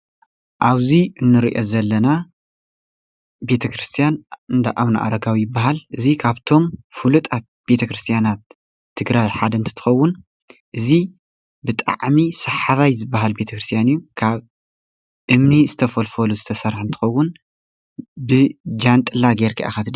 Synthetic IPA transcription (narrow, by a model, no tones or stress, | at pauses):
ʔaβziɨnːɨɾḭʔozɐlːɐna | be̞t̪ʰɐkɾɨst̪ʰijanɨnd̪a̰ʔaβna̰ʔa̰ɾɐɡawijɪbːaɦalʔɨzikʰaβt̪ʰo̞mfulut̪ʼat̪̚b̥e̞t̪ʰɐkɾɨst̪ʰjanat̪̚ʰː | ɨɡɾajħad̪ɐɨnt̪ʰɨ̥t̪ʰɨ̥xɐwːʊn | ʔɨzi | bɨt̪ʼa̰ʕmisɐħaβajzɨbːaɦalbe̞t̪ʰɐkɾɨst̪ʰijanɨjːukʰaβ | ʔɨmnizɨt̪ʰɐfɐlfɐluzɨt̪ʰɐsɐɾħnt̪ʰɨ̥xɐwːʊn | bɨd͡ʒant̪ʼɨlaɡeɾkʰḭʔa̰xat̪ʰɨd̪